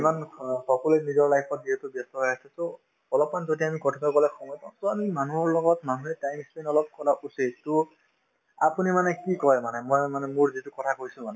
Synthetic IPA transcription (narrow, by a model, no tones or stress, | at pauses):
imanxɔkɔlenizɔɹlajpʰɔt̚diɛtubjɛstɔɦɔjasɛso | ɔlɔpmanzodiamikɔtʰipakɔlɛxʰɔŋɔjtaʊ̃soamimanuɔɹlɔɡɔtmanuɦɛtajmspenɔlɔp̚kɔlaʔusetu | apunimanɛkikɔjmanɛmɔjmanɛmuɹzitukɔtʰakojsʊ̃manɛ